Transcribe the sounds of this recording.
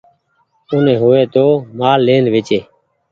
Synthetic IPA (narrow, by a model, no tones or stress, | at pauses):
ʊnẽːɦoːeːt̪oːmaːlːeːnʋet͡ʃeː